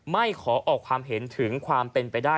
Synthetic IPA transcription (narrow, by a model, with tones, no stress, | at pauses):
ma˥˩jkʰɔː˩˦ʔʔɔː˨˩kʰwaː˧mɦe˩˦nt̪ʰɯ˩˦ŋkʰwaː˧mpe˧npa˧jdaː˥˩